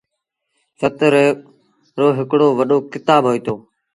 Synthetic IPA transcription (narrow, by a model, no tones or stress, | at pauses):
sət̪ɾ | ɾoːɦɪkɽoːʋəɗoːkɪt̪aːbʱɦoːiːt̪oː